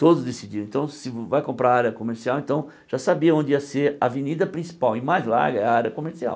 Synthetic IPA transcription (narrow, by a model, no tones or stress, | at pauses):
t̪od̪ʊzd̪esid͡ʒ̪iɾ̃ẽt̪ɐ̃w̃sɪvajkõmpɾaɾaɾjɐkomeɾsiawẽnt̪ɐ̃w̃ | ʒ̥asabiɐõnd͡ʒ̪ɪiɐseɾɐvenid̪ɐpɾĩsi̥pawɪmajzla̰ɾɡɐɛaɾɐkomeɾsia̰w